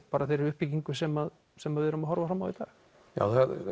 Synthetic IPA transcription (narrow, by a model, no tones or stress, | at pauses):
paːɾaθejɾɛɾʏhpːiciŋkʏsɛmað | sɛmaðvɪðɾʏmaɦɔɾvafɾaːmːawðit̪a̰ːx | ja̰wθa